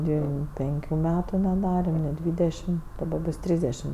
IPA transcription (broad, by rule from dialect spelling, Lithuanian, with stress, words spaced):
ˈdʲʋʲɪm ˈpʲɛŋʲkʲʊ ˈmʲæːtʊ nʲɛˈdɑːrʲɛm nʲɪ ˈdʲʋʲiːdʲɛʃʲɪm dɐˈbɐ ˈbʊs ˈtʲrʲiːzʲdʲɛʃʲɪm